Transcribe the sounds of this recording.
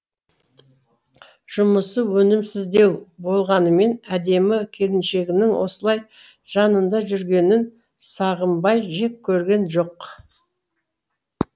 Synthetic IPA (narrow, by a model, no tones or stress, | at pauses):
ʒ̥ʊməsəwɵnɪmsɪzd̪e̞wbo̞lˠʁɑnəme̞næd̪e̞mɪkʲʰe̞lɪnʃe̞ɡʲɪnɪŋwʔo̞̰səlˠɑj | ʒ̥ɑnənd̪ɑʒʏɾɡʲe̞nɪn | sɑʁəmbɑjʒe̞kʲʰːɵɾɡʲe̞nʒo̞q